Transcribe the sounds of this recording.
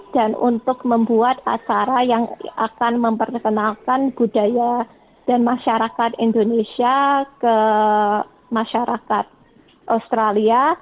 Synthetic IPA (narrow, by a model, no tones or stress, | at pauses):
d̥anṵnt̪ʊkməmbuat̪a̰t͡ʃaɾajaŋa̰kanməmpərkənalkanb̥udaja | d̥anmaʃaɾakat̪indonesiakə | maʃaɾʔakat̪̚ | ʔast̪ɾalia